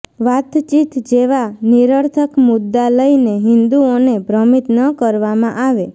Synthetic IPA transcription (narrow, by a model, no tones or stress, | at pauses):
ʋat̪t͡ʃit̪d͡ʒeʋaniɾəɾt̪ʰəkmʊd̪ːaləineɦɪnd̪uonebʱɾəmit̪nəkəɾʋamãʔaʋe